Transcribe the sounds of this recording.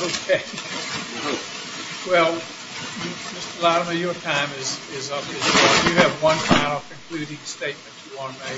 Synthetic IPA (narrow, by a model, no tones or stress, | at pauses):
oʊkʰeɪ | wɛlˠ | jɨd͡ʒʌstəlɑɾəmʌvjə˞tʰãɪ̃mɪzɪzʌbɨjɨɨvwʌ̃nfãɪ̃nl̩ˠkʰɨ̃mpʰl̥ʉɾɪ̃ŋsteɪt̚mɨ̃ntjɨwɑ̃nəmeɪ